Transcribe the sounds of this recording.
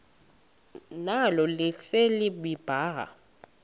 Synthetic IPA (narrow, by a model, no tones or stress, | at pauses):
nalɔlɪselɪɓib̥ʱaːɦa̰